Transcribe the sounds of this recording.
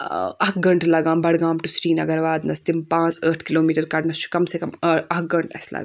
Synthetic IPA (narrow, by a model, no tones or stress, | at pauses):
ɐɦɡɐɳʈʰlɐɡãːmbɐɽɡaːmʈusɾiːnɐɡɐɾʋaːd̪nɐst̪impãːt͡səːʈʰkiloːmiːʈɐɾkɐɽnɐst͡ʃʰu̥kɐmsekɐmɐɡɐɳʈɐ̰slɐ̰ɡaːm